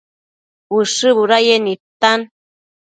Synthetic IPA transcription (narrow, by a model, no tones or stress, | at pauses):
wɨʂɨβuɾajenit̪an